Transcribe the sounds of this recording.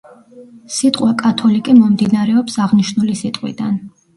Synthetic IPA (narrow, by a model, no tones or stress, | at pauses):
sit̪ʼqʼwakʼat̪ʰɔlikʼimɔmd̪inaɾɛɔpsaʁniʃnulisit̪ʼqʼwḭd̪an